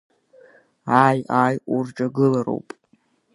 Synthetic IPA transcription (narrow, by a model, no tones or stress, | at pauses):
aːjajʔʼʊrʈ͡ʂʼaɡɨlaro̞̰wpʼ